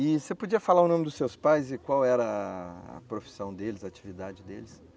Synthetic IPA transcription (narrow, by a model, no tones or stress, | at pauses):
ɪsepod͡ʒiɐfalaɾʊnõmɪd̪ʊsewspajzɪkwawɛɾɐɐ̰pɾofi̥sɐ̃w̃d̪elɪzɐːt͡ʃivid̪ad͡ʒɪd̪elɪs